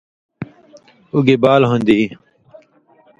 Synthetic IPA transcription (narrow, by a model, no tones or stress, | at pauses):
uɡebaːlɦõnd̪i